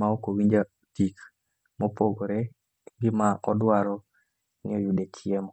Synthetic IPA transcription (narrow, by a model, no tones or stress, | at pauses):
maokowiɲd͡ʒa | tik | mopoɡoɾe | ɡɪmaʔɔdwaɾɔ | ŋɪɔjudet͡ʃɪemɔ